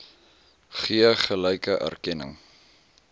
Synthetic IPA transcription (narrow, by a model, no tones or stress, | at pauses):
χiəχəlɛjkəʔæ̰rkɛnə̰ŋ